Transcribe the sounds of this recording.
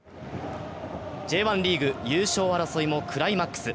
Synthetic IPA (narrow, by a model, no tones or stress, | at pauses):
d͡ʑe̞ːβãnɾʲiːɡɯ̟jɯ̟ːɕo̞ːaɾaso̞imo̞kɯ̟ɾaimakːɯ̥sɨ